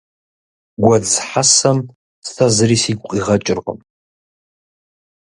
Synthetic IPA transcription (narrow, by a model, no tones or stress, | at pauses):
ɡʷad͡zħasam | stʰazɨrisiɡʷʼqʼiʁat͡ʃʼɪrqʼə̰m